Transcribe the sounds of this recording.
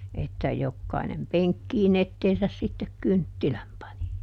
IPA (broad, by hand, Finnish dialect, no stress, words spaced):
etːæ jokːɑinem peŋkːiːn etːeːsæs sitːek kyntːilæm pɑni